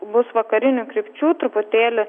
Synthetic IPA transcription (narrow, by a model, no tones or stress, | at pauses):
bʊsʋɐkɐɾʲɪnʲuːkɾʲɪpʲt͡ʃʲuːt̪ɾʊpʊt̪ʲeːlʲɪ